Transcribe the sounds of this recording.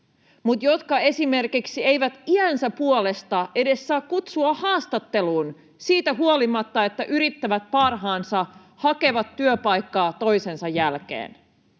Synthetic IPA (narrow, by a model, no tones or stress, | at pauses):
mut̪jo̞t̪kɑe̞sime̞rkiksie̞jʋæt̪iænsæpuole̞st̪ɑʔe̞de̞sːɑːkkut̪suɑhɑːst̪ɑt̪ːe̞luːn | siːt̪æɦuolimɑt̪ːɑe̞t̪ːæʔyɾit̪ːæʋæt̪̚pɑrɦɑːnsɑ | hɑke̞ʋɑt̪ːyøpɑjkːɑːt̪o̞jse̞nsɑjːælk̟ḛːn